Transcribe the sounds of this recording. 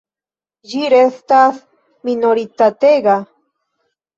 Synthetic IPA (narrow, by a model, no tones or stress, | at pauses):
jiɾest̪aθ | minoɾit̪at̪eɡɑ